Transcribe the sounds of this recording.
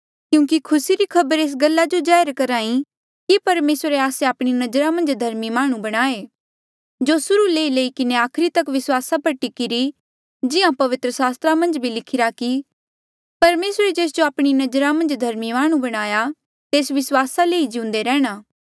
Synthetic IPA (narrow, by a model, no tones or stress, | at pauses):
kjũːkikʰʊsiɾikʰɐbəɾeːs̬ɡɐlːad͡ʒod͡ʒaːəɾkɐɾãːĩ | kipɐɾmeːsɾeaːseaːpɽ̃inɐd͡ʒəɾamɐ̃nd͡ʒd̪ʱɐɾmimaːɽ̃ũbɐɽ̃aːe | d͡ʒosʊɾuleːileːikɪneaːkʰɾit̪ɐkʋɪswaːsapɐʈikɪɾi | d͡ʒɪãpɐʋɪt̪ɾəsaːst̪ɾamɐ̃nd͡ʒbʱilɪkʰɪɾaki | pɐɾmeːsɾed͡ʒeːs̬d͡ʒoaːpɽ̃inɐd͡ʒəɾamɐ̃nd͡ʒd̪ʱɐɾmimaːɽ̃ũbɐɽ̃aːja | t̪eːsʋɪswaːsaleːid͡ʒɪʊ̃ːnd̪eɾɛːɽ̃aː